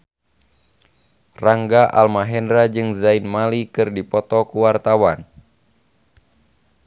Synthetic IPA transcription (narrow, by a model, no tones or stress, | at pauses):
raŋɡaʔa̰lmaɦɛndɾad͡ʒɨŋzainmalikɨrdipɔt̪ɔkuwart̪awan